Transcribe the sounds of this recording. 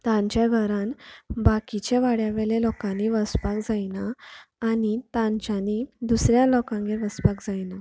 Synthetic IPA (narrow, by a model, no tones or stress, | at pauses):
t̪ãɲt͡ɕjaɡʱəɾãnbakit͡ɕeʋaɽjaʋeɭelɔkãniʋəspakd͡zajnaː | ɽit̪ãɲt͡ɕanid̪usɾjalɔkãŋɡeɾʋəspakd͡zajna